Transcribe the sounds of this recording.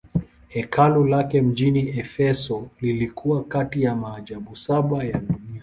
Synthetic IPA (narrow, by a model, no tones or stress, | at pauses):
hɛkʰalulakɛm̩ʄiniɛfɛsɔlilikʰuwakatijamaːʄaɓusaɓajaɗunia